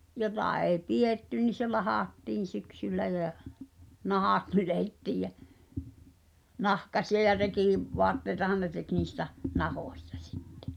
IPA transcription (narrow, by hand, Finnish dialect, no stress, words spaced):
jotɑˑ eˑi̞ pieˑtːy ni se lɑhɑˑtːiːn̞ syksylːæ jæ nɑhɑt nyletːiːj jæ nɑhkɑsiɑ jɑ rekiˑ ʋoɑtːeitɑhɑn ne tek niːstɑ̟ nɑhoˑsʲtɑ̥ si̥tːe̥